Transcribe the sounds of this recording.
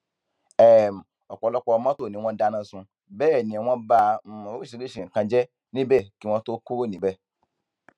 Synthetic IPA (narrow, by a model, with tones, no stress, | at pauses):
ɛ˦˨m˨ | ɔ˨k͡pɔ˨˧lɔ˦k͡pɔ˧mã˦to˦˨nĩ˨˦w̃ɔ̃˦da˦nã˦˨sũ˧ | bɛː˦˨nĩ˨ɛ̃˨˦w̃ɔ̃˦ba˦˨˦o˦i˦ʃi˨˧ki˦ʃĩ˨kã˧d͡ʒɛ˦ | nĩ˦bɛ˦˨ki˦w̃ɔ̃˦to˦ku˦ɾo˦˨nĩ˨bɛ˦˨